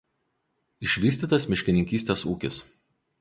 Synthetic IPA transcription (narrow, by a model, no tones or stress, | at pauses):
ɪʃʲʋʲiːsʲt̪ʲiːt̪ɐsmʲɪʃʲkʲɪnʲɪŋʲkʲiːsʲt̪ʲeːsuːkʲɪs